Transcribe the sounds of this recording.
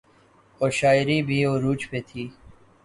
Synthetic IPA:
oːɾʃaːɪɾiːbʱiːoːɾuːt͡ʃpeːt̪ʰiː

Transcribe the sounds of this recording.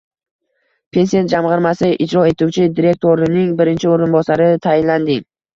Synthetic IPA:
pʰe̞nsian̚d͡ʒamʁɨɾmasɪʔɪd͡ʒɾɒe̞t̪ʰuwt͡ʃʰɪd̪iɾe̞k̚t̪ʰoɾɪnɪŋbɪɾɪnt͡ʃʰɪoɾɪnbɒsaɾɪt̪ʰajɪnland̪ɪŋ

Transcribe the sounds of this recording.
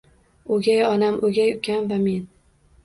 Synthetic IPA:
oɡʲajɒnamʔoɡʲajʊkʲʰanvame̞n

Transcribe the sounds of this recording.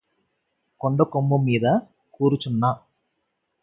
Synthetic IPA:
koɳɖɐkomːumːiːd̪ɐ | kuːɾut͡ʃunːa

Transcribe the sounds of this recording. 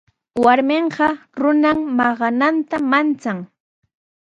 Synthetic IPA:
waɾmeɴɢɑɾʊnammɑɢɑnant̪amant͡saŋ

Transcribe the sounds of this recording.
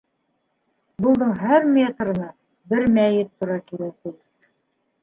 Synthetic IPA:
bŭlˠd̪ɤɴɦæɾmʲet̪rɤ̆nɑ | bɘɾmæjɘt̪ʰːŭɾɑkiɾæk̚t̪i

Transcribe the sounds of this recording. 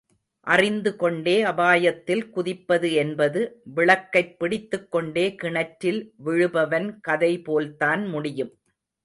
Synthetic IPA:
ʔɐrɪnd̪ɯkɔɳɖeːɐbaːjɐt̪ːɪlkʊðɪpːɐðɯɛnbɐðɯʋɪɭɐkːɐɪpːɪɽɪt̪ːɯkːɔɳɖeːkɪɳɐʈɾɪlʋɪɻɯbɐʋɐnkɐðɐɪpoːlt̪aːnmʊɽɪjɯm

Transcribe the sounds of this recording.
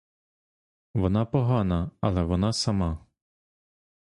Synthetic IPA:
ʋɔnɑpɔɦɑnɐɐlˠɛʋɔnɑsɐmɑ

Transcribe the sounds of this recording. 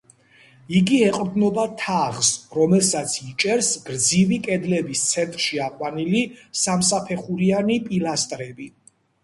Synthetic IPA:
iɡiɛqʼɾd̪nɔbat̪ʰaʁsɾɔmɛlsat̪sʰit͡ʃʼɛɾsɡ̥ɾd̪zivikʼɛd̪lɛbist̪sʰɛnt̪ʼɾʃiaqʼwanilisamsapʰɛχuɾianipʼilast̪ʼɾɛbi

